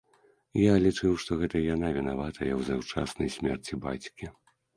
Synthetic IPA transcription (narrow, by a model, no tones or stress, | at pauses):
jalʲit͡ʂɨwʂt̪ɔɣɛt̪ɐjanavʲinavat̪ʰɐjɐwzawt͡ʂa̰snɐjsʲmʲɛrt͡sʲiba̰t͡sʲkʲi